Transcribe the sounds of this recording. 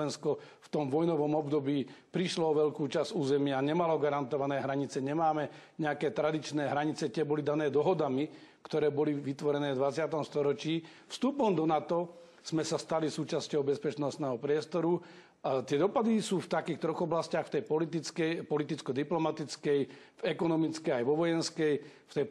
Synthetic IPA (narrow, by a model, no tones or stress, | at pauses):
ɛnskɔ | ft̪ɔmʋɔjnɔʋɔmɔbd̪ɔbiːpɾiʃlɔɔʋɛʎkuːt͡ʃazuːzɛmɪaɲɛmalɔɡaɾant̪ɔʋanɛːɦɾaɲit͡sɛɲɛmaːmɛɲɛakɛːt̪ɾad̪it͡ʃnɛːɦɾaɲit͡sɛt̪ɪɛbɔlid̪anɛːd̪ɔɦɔd̪ami | kt̪ɔɾɛːbɔliʋit̪ʋɔɾɛnɛːvd̪ʋat͡sɪat̪ɔmst̪ɔɾɔt͡ʃiː | fst̪uːpɔmd̪ɔnat̪ɔ | z̥mɛsast̪alisuːt͡ʃascɔʊbɛspɛt͡ʃnɔst̪nɛːɦɔpɾɪɛst̪ɔɾu | t̪ɪɛd̪ɔpad̪isuːft̪akiːxt̪ɾɔɣɔblascaxft̪ɛjpɔlit̪it͡skɛjpɔlit̪it͡skɔd̪iplɔmat̪it͡skɛjvɛkɔnɔmit͡skɛajʋɔʋɔjɛnskɛjft̪ɛj